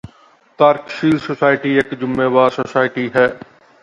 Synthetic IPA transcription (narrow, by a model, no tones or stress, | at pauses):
t̪aːɾkʃiːlsosaːɪʈieːkd͡ʒʊmːeːʋaːɾsoːsaːɪʈiɦɛː